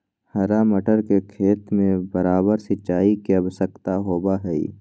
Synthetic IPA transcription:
hɐɾaməʈəɾkekʰeːt̪mẽbɐɾaːbəɾsɪʃaːikeɐbsəkt̪aɦoːbaɦɛḭ

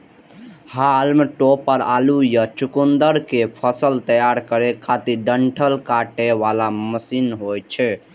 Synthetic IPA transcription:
halmeʈopəɾalujət͡ʃukund̪əɾkepʰəsəlt̪əjaɾkəɾekʰat̪iɖəɳʈʰəlkaʈeʋalaməsinɦojt͡ʃʰɛ

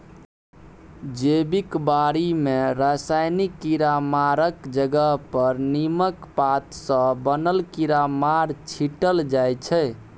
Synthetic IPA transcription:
d͡ʒebikbaɾimeɾasajnikːiɾamaɾəkd͡ʒəɡəɦpəɾniməkpat̪sə̃bənəlkiɾamaɾt͡ʃʰiʈəld͡ʒajt͡ʃʰɛ

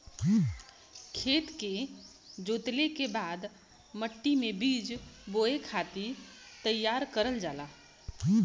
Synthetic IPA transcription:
kʰeːt̪ke | d͡ʒoːt̪lekebad̪ | məʈːimẽbiːd͡ʒboekʰat̪it̪əjːaɾkəɾəld͡ʒaːla

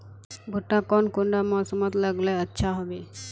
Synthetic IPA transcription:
bʱʊʈːakɔnkʊɳɖamɔsəmət̪ləɡleətːʃʰaɦoʋe

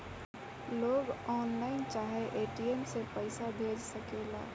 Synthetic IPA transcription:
loːɡɔːnlaːɪnt͡ʃaːɦeʔeːʈiemsepəɪsabʱeːd͡ʒsəkela̰ː

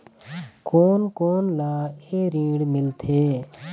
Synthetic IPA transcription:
koːnkoːnlaːeːɾĩːɽmɪlt̪ʰeː

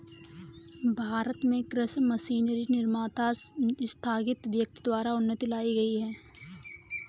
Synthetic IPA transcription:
bʱaːɾət̪mẽkɾɪsmɐsiːnɾinɪɾmaːt̪ast̪ʰaːɡɪt̪ʋjək̚t̪id̪waːɾaʊnːət̪ilaːiɡɐiɦɛː

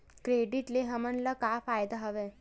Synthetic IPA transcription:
kɾeːɖiʈleɦəmənlakaːfaːjd̪aɦəʋe

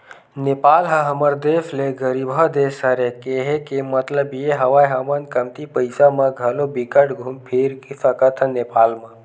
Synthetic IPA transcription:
nepaːlɦə̃ɦɐməɾd̪eːfʰleɡəɾibʱəd̪eːsɐɾekeɦekemɐt̪ləbjeɦɐʋaːjɦəmənkɐmt̪ipəjsamãɡʱɐlobikəʈɡʱumpʰiɾkifəkət̪ʰənepaːlmã

